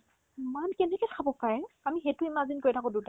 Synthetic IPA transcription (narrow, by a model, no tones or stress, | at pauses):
imankɛnɛkɛkʰabɔpajamixetʊimazinkoɹitʰakʊ̃duta